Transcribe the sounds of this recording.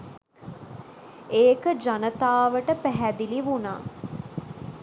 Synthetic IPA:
eːkəd͡ʒanət̪aːʋəʈəpæɦæd̪iliʋuna̰ː

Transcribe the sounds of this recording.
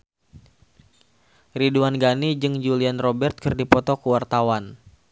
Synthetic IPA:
riduanɡanid͡ʒɨŋd͡ʒulianrɔbɛrt̪̚kɨrdipɔt̪ɔkəwart̪awan

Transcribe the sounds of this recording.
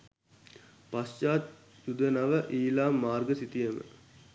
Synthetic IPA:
past͡ʃaːt̪̚ | jud̪ənaʋəʔiːlaːmːaːrɡəsit̪ijəmə̰

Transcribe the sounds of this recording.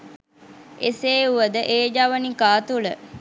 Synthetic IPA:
eseːuʋəd̪əʔeːd͡ʒaʋənikaːt̪ulə

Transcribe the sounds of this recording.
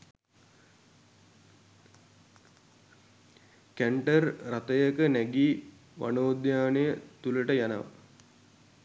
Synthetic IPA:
kæɳʈərrat̪əjəkənæɡiː | ʋa̰noːd̪jaːnejət̪uləʈəjana̰ʋa̰

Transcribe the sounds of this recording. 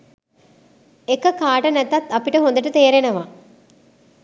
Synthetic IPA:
ekːɐkaːʈɐnet̪ːɐt̪ɐpːiʈːɐɦond̪iʈːɨt̪eːɾenɐʋa

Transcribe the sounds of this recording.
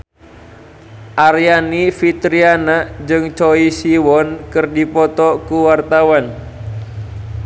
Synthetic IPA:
ʔarjanifit̪ɾianad͡ʒɨŋt͡ʃɔisiwɔnkɨrdipɔt̪ɔkuwart̪awan

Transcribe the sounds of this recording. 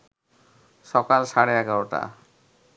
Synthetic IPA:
ʃɔkalʃaɽeɛɡaɾoʈa̰

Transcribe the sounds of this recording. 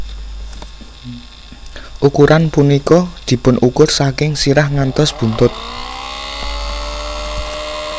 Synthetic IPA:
ʔukuɾʔanpunikɔd̪̥i̤pʊnʔukʊrsakɪŋsiɾahŋant̪ɔsb̥ṳnt̪ʊt̪̚

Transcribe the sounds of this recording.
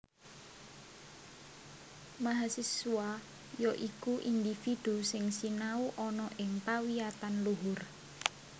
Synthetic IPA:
maɦasisua | jɔʔikuʔind̪ifid̪̥usɪŋsinauʔɔnɔʔɪŋpawiat̪anluɦʊr

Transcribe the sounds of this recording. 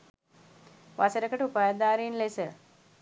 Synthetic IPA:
ʋʔasəɾəkəʈəupaːjad̪aːɾiːnlesə

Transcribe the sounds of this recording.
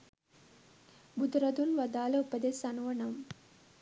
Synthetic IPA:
bʊd̪ɾɐd̪unʋɐd̪aːlɐʊpːɐd̪esɐnuʋɐnɐm

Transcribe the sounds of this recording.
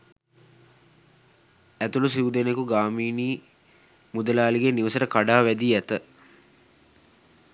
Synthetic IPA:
æt̪ulusiʋud̪enekuɡaːmiːniː | mud̪əlaːliɡeniʋəsəʈəkaɖaːʋɛd̪iːæt̪ə

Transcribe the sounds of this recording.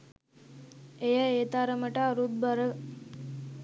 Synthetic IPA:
ejaeːt̪aːɾəməʈaːɾud̪̚bəɾə

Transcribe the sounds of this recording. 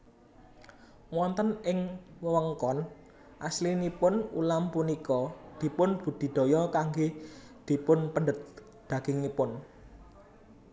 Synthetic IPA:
wɔnt̪ənɪŋwəwəŋkɔn | ʔaslinipʊnṵlampunikɔd̪̥i̤pʊnb̥ṳd̪̥i̤d̪̥ɔ̤jɔkaŋɡe | d̪̥i̤pʊnpənɖət̪̚ | d̪̥ä̤ɡ̥ɪŋipʊn

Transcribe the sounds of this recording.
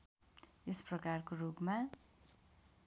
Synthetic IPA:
esprʌkarkorupma

